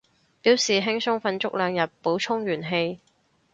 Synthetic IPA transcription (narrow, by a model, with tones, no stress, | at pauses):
piː˨˥wsiː˨ɦɪ˥ŋsʊ˥ŋfɐ˧nt͡sʊ˥k̚lœː˨˧ŋjɐ˨t̚po˨˥wt͡ʃʰʊ˥ŋɥyː˨˩nɦe˧j